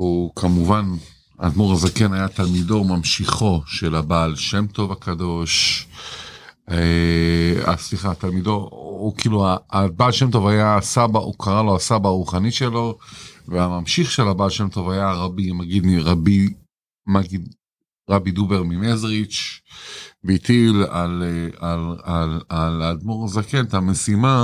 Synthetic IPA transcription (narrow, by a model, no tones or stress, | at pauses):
ukʰamuvan | a̰d̪muʁazakenajat̪almido̞mamʃiχo̞ʃe̞labaːlʃe̞mt̪o̞vakado̞ʃ | e | a̰sliχat̪almid̪o̞kiːluaabaːlʃe̞mto̞vajasabaʔukʰaʁalo̞asabaːʁuχaniʃe̞lo̞veamamʃiχʃelabaːtʃe̞mt̪o̞vajaʁabimaɡid̪miʁabi | maɡid̪ | ʁabid̪ubeʁmimezʁit͡ʃ | veit̪ilalealalalad̪mo̞ʁzakent̪hamesima